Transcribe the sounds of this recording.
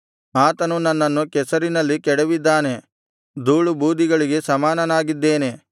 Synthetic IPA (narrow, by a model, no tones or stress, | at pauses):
aːt̪ɐnunɐnːɐnːukɛsɐɾinɐlːikɛɽeʋid̪ːaːne̞ | d̪uːɭubuːd̪iɡɐɭiɡe̞sɐmaːnɐnaːɡid̪ːe̞ːne̞